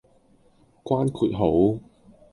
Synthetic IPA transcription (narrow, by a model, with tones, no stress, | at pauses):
kwaː˥nkʰuː˨˩t̚ɦo˨˥w